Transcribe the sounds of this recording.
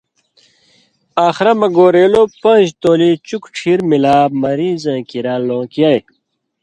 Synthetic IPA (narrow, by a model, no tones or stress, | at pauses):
aːxɾɐmɐɡoːɾeːlopɐ̃ʑt̪oːlit͡ɕukʈʰiːɾmilaːmɐɾiːzãːkiɾaːlõːkjaj